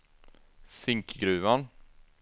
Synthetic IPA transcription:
sɪŋkɡɾʉ̟ːvan

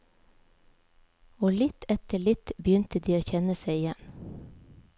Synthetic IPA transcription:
oːlɪt̪ʰɛt̪əɭɪt̪bjʏnt̪əd̪iːoːçɛnəseɪɪjɛn

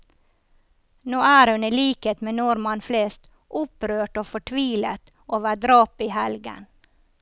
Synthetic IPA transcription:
noːæːɾhʉnəliːkət̪meːnɔɾmɑnfleːst̪ | ʔʊpɾøːʈoːfɔʈʰʋiːlət̪ | ʔoːʋəːɖɾɑːpiːhɛlɡə̰n

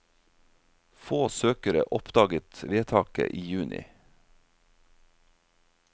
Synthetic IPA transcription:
foːsøːkəɾə̰ʔɔpd̪ɑːɡət̪ʋeːt̪ʰɑːkə̰ʔiːjʉːnʔɪ̰

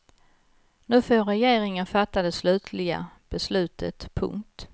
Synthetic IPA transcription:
nʉ̟ːfoːɾɛjeːɾɪŋənfat̪ːad̪ɛslʉ̟ːt̪ʰlɪɡa̰b̥ɛslʉ̟ːt̪ʰə̰t̪pʰɵ̰ŋk̚t̪

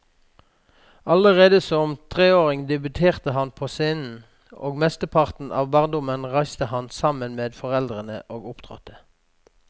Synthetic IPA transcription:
ɑləʁeːd̪əsɔmt̪ʰʁeːoːʁɪŋd̪ɛbʉt̪ʰeːʁt̪əhɑnpʰoːseːnn̩ | o̰ːɡmɛst̪əpʰɑʁt̪n̩ɑ̰ːʋbɑːʁnd̪ʊmənʁæɪst̪əhɑnsɑmənmeːd̪fɔʁɛld̪ʁənə̰ʔoːɡʊpt̪ʰʁɔ̰t̪ʰə̥

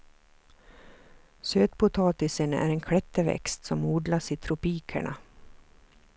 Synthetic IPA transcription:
søːt̪pʊt̪ʰɑːt̪ɪsənæ̰ːɾeːnkʰɽɛt̪ːəʋɛ̰kst̪sɔmuːɖ̪laʂiːt̪ʰɾʊpiːkʰə̰ɳa̰

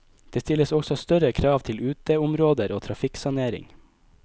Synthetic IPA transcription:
d̪̥eːst̪ɪləsɔɡsɔst̪œɾəkʰɾɑːʋt̪ʰɪlʉːt̪eːʊmɾoːd̪əɾoːt̪ʰɾɑfɪksɑneːɾɪ̰ŋ

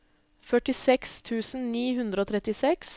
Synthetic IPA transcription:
fœʈɪsɛkst̪ʰʉːsn̩niːɦʉnd̪ɾəoːt̪ʰɾɛt̪ɪsɛks

